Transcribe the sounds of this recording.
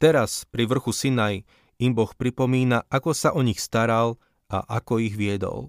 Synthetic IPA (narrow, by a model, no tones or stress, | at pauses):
t̪ɛɾaspɾiʋr̩xusinaj | imbɔxpɾipɔmiːnaʔakɔsaʔɔɲixst̪aɾal | a̰ʔakɔiɣʋɪɛd̪ɔ̰l